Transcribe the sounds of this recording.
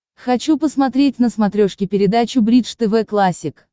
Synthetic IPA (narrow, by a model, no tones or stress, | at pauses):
xɐt͡ɕupəsmɐt̪ɾʲet̚ʲnəsmɐt̪ɾʲoʂkʲɪpʲɪɾʲɪd̪at͡ɕʊbɾʲit̪ʂt̪ɛvɛklˠasʲɪk